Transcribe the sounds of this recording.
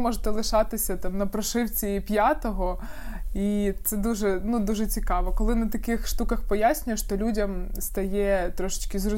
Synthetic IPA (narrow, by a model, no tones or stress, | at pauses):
mɔʒt̪ɛlˠɪʃɑt̪ɪsʲɐt̪ɑmnɐpɾɔʃɪwt͡sʲiipʲjat̪ɔɦɔ | it̪sɛd̪uʒɛnud̪uʒɛt͡sʲikɑʋɔkɔlˠɪnɐt̪ɐkɪxʃt̪ukɐxpɔjasʲnʲʊjɛʃt̪ɔlʲudʲɐmst̪ɐjɛt̪ɾɔʃɪ̥t͡ʃkɪzɾʊ